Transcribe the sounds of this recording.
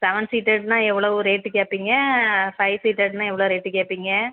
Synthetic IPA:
sɛʋɐnsiːʈeɖnãːɛʋːɐɭɐʋɯɾeːʈːɯkeːpːiːŋɡɐfɐɪsiːʈeɖnãːɛʋːɐɭoʋɾeːʈːɯkeːpːiːŋɡɐ

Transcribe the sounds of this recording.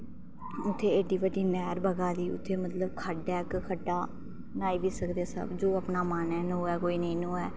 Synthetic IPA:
ʊt̪ʰːeːeːɖiːbəɖiːnɛːɾbəɡaːd̪iːʊ̰t̪ʰːeːmət̪ləb̚kʰəɖɛːkkʰəɖːaː | naːiːʋiːsəkd̪eːsə̰bd͡ʒoːəpnaːmanɛːnõːɛːkoːiːnəĩːnũːɛː

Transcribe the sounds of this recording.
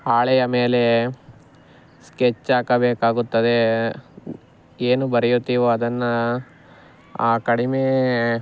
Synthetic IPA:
aːɭɛjɐme̞ːle̞ | sket͡ʃːaːkɐbeːkaːɡut̪ːɐd̪e | eːnubɐɾɛjut̪ːiʋoɐd̪ɐnːɐ | aːkɐɽimeː

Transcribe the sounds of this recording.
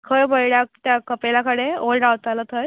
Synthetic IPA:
kʰəjbʱəjɽjat̪jakəpelakəɽeolɖawt̪alət̪ʰəj

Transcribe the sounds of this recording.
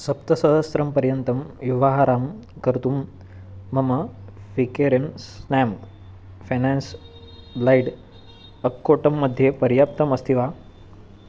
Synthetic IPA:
sɐp̚t̪ɐsɐɦɐsɾɐmpəɾjənt̪ɐmjuʋaɦaɾaːmkəɾt̪umː | ɐmɐfikeɾemsnɛm | fenɛns | laiɽ | əkːoʈɐmːəd̪ʱːjepəɾjap̚t̪ɐməst̪ʰiʋa

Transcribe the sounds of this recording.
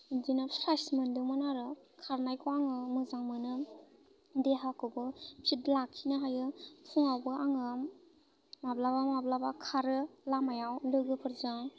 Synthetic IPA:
dinɯpʰɾasmɯndɯmɯnaɾɯ | kʰaɾnajkʰɔaŋɯmɯzaŋmɯnɯ | deɦakʰɯbɯpʰitlakʰinɯɦajɯpʰuŋawbɯaŋɯ | mablabamablabakʰaɾɯlamajawlɯɡɯpʰɯɾzaŋ

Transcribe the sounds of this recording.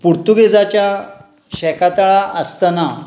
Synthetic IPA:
puɾt̪uɡed͡zat͡ɕja | ɕɛkat̪aɭaʔəst̪əna

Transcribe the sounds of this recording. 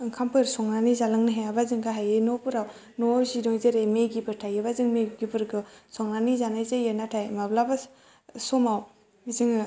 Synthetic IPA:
ɯŋkʰampʰɯɾsɔŋnanizalɯŋniɦajabazɯŋɡaɦajenopɯɾaw | nozidɔjzeɾejmeɡibɯɾtʰajebazɯŋmeɡibɯɾɡɯsɔŋnanizanajzejenatʰajmablaba | sɔmaw | mizɯŋ

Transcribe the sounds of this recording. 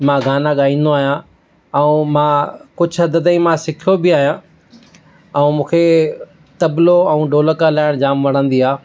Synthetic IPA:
mãːɡʱaːnaɠaːĩːn̆d̪oaːɦijã | ɛũmãːkʊd͡ʑʱɦɐd̪əd̪ĩmãsɪkʰijobɪaːɦijã | ɛ̃ũmũːkʰe | t̪ɐbloɛ̃ũːɖoːləkalaːɪɽ̃d͡ʑaːmʋɐɽ̤̃ə̃nd̪iaː

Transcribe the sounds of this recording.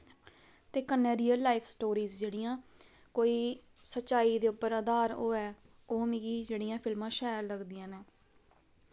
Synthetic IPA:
t̪eːkənːẽːɾiːəlːaːipʰsʈoːɾiːzd͡ʒeːɽɪjãː | koːiː | sətːʃaːiːd̪eːʊpːəɾaːd̪aːɾoːɛː | oːmɪɡiːd͡ʒeːɽijãːpʰɪlmãːʃaːjəɾləɡd̪ɪjãːnɛː

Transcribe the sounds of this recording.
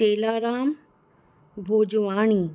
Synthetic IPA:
eːlaːɾaːm | bʱoːd͡ʒʋaːɳ̃iː

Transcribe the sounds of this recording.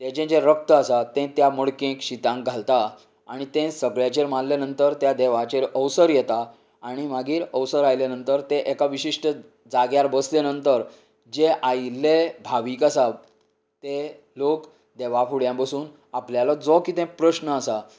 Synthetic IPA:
t̪et͡ɕẽd͡ʑeɾək̚t̪əəsat̪ẽt̪jaməɽkẽkɕit̪ãŋɡ̚ɡʱalt̪a | aɽ̃it̪ẽsəɡɭjat͡ɕeɾmanlanənt̪əɾt̪jad̪ɛʋat͡ɕeɾəʋsəɾjɛt̪aː | ɽ̃imaɡiːɾəwsəɾajlenənt̪əɾt̪ẽʔekaʋiɕiʂʈə | d͡zaɡjaɾbəslenənt̪əɾ | d͡ʑeʔajlebʱaʋikasa | t̪ẽ | lok | d̪eʋafuɽjãbəsuːn | apljalad͡zɔkit̪ɛ̃pɾəɕnəasa

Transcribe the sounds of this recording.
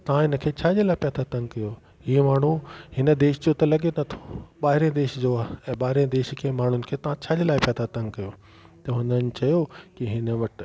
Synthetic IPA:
t̪ɐʋ̤ãɪnə̆kʰeːt͡ɕʰaːd͡ʑelaːɪpɛːd̪at̪ɐ̃ŋɡkɐjo | ɦiːmaːɳ̤uhɪnə̆d̪eːʃd͡ʑot̪ɐlɐɠenɐt̪ʰo̥ɓaːɦɪɾẽd̪eːʃd͡ʑoaːɦɛ̃ːɓaːɦɪɾẽd̪eːʃkʰeːmaːɳ̤ʊnɪ̆kʰeːt̪ɐʋ̤ãt͡ɕʰaːd͡ʑeːlaːɪpɛːd̪at̪ɐ̃ŋɡkɐjoː | t̪ɐɦʊnənɪ̆t͡ɕɐjokiɦɪnə̆ʋɐʈ̆

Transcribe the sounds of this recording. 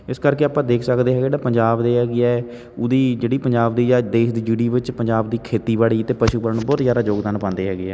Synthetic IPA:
ɪskəɾkeːaːpãːd̪eːkʰsəkd̪eːɦɛːɡeɖaːpəɲd͡ʒaːbd̪eːɦɛːɡeɛː | ʊd̪iːd͡ʒeːɽiːpəɲd͡ʒaːbd̪iːd͡ʒaːd̪eːʃd̪iːd͡ʒiːɽiːbɪt͡ʃpəɲd͡ʒaːbd̪iːkʰeːt̪iːbaːɭiːt̪eːpəʃuːbəɾəɳbɔːt̪zjaːɾaːd͡ʒoːɡd̪aːnpãːnd̪eːɦɛːɡeɛː

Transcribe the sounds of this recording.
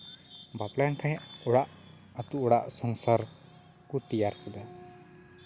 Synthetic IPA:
baplankʰãɦɛ̃ʔɔɽaʔ | at̪uɔɽaʔsɔŋsaɾ | kut̪ijaɾkɛd̪a

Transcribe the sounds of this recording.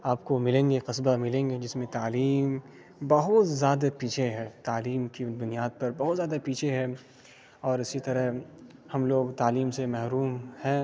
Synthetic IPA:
aːpkomɪlẽːŋɡeqɪsbamɪlẽːŋɡed͡ʒɪsmẽt̪aːliːm | bɐɦʊt̪zjaːd̪apiːt͡ʃʰeɦɛːt̪aːliːmkibʊnijaːd̪̚pɐɾbɐɦʊt̪zjaːd̪apiːt͡ʃʰeɦɛ̃ | ɔːɾɪsit̪ɐɾəɦhɐmloːɡt̪aːliːmsemɛɦɾuːmhɛ̃ː

